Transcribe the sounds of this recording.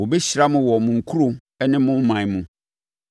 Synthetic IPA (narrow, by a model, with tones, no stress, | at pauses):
wo˨bɛ˦ɕi˨ɾa˦mʊ̃˨wɔ˨mʊ̃˨ŋ̩˨kʰu˦ɾo˨ | ɛ˦nɪ̃˦mʊ̃˦mã˨mʊ̃˨